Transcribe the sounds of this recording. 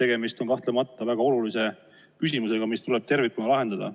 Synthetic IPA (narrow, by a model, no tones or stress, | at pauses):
t̪e̞ɡ̥e̞mist̪o̞nkɑht̪le̞mɑt̪ːˑɑvæɡ̥ɑo̞lulise̞ | kys̬imuse̞ɡ̥ɑmist̪ule̞b̥̚t̪e̞rvikːˑunɑlɑɦe̞nd̪̥ɑd̪ɑ̰